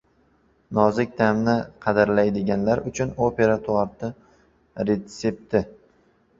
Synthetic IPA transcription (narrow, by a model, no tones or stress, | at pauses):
nɒzɪk̚ʲd̪amnɪqʰɑd̪aɾlajd̪ɪɡʲanlaɾʊt͡ʃʰʊnope̞ɾat̪ʰʊaɾt̪ʰɪ | ɾe̞t̪se̞p̚t̪ʰɪ